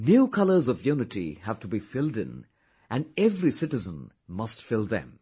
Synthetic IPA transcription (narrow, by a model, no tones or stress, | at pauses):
njukʰʌlə˞zʌvjunɨtḭhæv̥tubifɪlˠdɪ̰̃n | ʔæ̃nɛvɾisɪtɨzə̃n | mʌstfɪlˠðɛ̰̃m